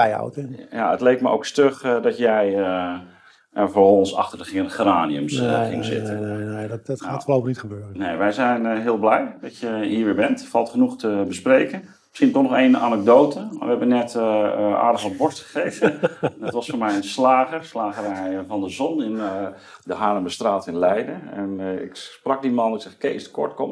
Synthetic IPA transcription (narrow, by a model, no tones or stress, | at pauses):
ɛja̰wtɛja̰ə̰tlejk̚məʔo̰wkstøxdɔtjɛjə | javoːɹɔɔnsɑ̰xtərdəχɪənəχəraːniə̰msχɪ̰ŋzɪ̰təetaːflowpənitχəbøːrənejʋɛjzɛjnɦɪəlˠblɛjdɔtjəɦiːɹʋɪːɹbɛntfɑlˠtχənuxtəbəsprejkən | sχintɔχnɔχejna̰nəɡ̚doːtʰəa̰ʋəɦɛbənːɛtʔa̰ːdəɔnbɔɹstχə̥χejvəətʋɑsfoːɹmɛjənslaːɣəslaːɣərɛjvɑndəzɔnɪn | dəɦaːɾəmbəstraːtɪnlɛjdəɛnɪ̰ksprɑk̚dimɑnksɛxkestə̥kɔ̰ɹtkɔm